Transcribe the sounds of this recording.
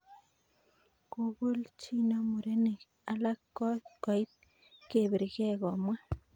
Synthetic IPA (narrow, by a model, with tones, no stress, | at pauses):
ku˦bu˦lt͡ʃi˦na˦mu˨ɾe˦ne˨k | a˦la˦ko˦ko˨i˦t̪̚ | ke˨be˨ɾɡe˦ɣo˨ma˦